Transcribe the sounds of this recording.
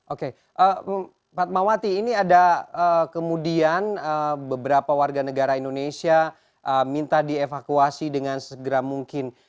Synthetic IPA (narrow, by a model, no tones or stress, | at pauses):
ʔoke | ʔə | pat̪̚mawat̪iːniadaəkəmudianəbəbəɾapawarɡanəɡaɾaindonesia | ʔəmint̪adiefakuasidəŋansəɡəɾamuŋkɪn